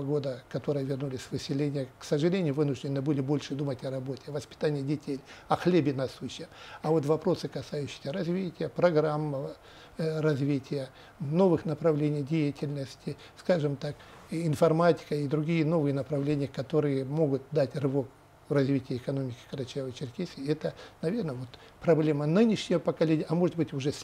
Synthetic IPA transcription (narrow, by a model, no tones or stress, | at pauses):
ɡo̞d̪əkɐt̪o̞ɾɨjəvʲɪrnulʲɪsʲvɨsʲːɪlʲenʲɪjəksəʐɨlʲenʲɪjʊvɨnʊʐdʲɪnɨbɨlʲɪbo̞lʲʂɨd̪umətʲɐɾɐbo̞tʲɪɐvəspʲɪ̥t̪anʲɪjədʲɪtʲelʲɐxlʲebʲɪnɐsuɕːɪəɐvo̞t̪vɐpɾo̞sɨkɐsajʉɕːɪ̥sʲəɾɐzʲvʲitʲɪjəpɾɐɡɾamːə | rɐzʲvʲitʲɪjə | no̞vɨxnəpɾɐvlʲenʲɪjdʲejɪtʲɪlʲnəsʲtʲɪ | skaʐɨmt̪ak | ɪnfɐrmatʲɪ̥kəid̪ɾʊɡʲijəno̞vɨjənəpɾɐvlʲenʲɪjəkɐt̪o̞ɾɨjəmo̞ɡʊt̪̚d̪atʲrɨvo̞k | vrɐzʲvʲitʲɪjəɪkɐno̞mʲɪkʲɪ̥kɾɐt͡ɕɛvəjt͡ɕɪrkʲesʲɪɛt̪ənɐvʲe̞rnəvo̞t̪ | pɾɐblʲemənɨnʲɪʂnʲɪjəpəkɐlʲenʲɪjəʔɐmo̞ʐɨt̪bɨtʲʊʐɛsʲ